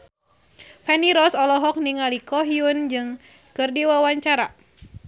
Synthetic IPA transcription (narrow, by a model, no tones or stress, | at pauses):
fɛniɾɔsɔlɔɦɔk̚niŋalikɔɦiund͡ʒɨŋ | kɨrdiwawaɲt͡ʃaɾa